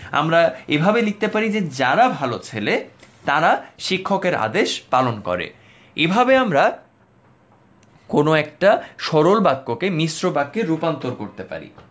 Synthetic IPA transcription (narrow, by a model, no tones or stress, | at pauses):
a̰mɾaebʱabelik̚t̪epaɾid͡ʑed͡ʑaɾabʱalot͡ɕʰelet̪aɾaʃikʰːokeɾa̰d̪eʃpalonkɔ̰ɾḛ | ebʱabeamɾa | konoɛk̚ʈaʃɔɾolbakːokemisɾobakːeɾupant̪oɾkoɾt̪epa̰ɾḭ